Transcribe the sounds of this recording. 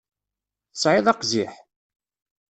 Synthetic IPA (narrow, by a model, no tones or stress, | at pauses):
θəsʕɪðˤɑqziħ